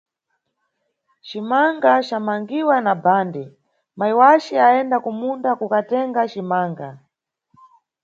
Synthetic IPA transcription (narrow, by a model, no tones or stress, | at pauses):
t͡ʃimaŋɡat͡ʃamaŋɡiwanabaːndɛ | maiwat͡ʃɛaɛndakumundakukatɛŋɡat͡ʃimaːŋɡa̰